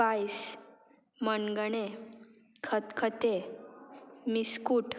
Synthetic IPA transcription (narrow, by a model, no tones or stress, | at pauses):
pajs | mənɡəɳe | kʰət̪kʰət̪e | miskuːʈ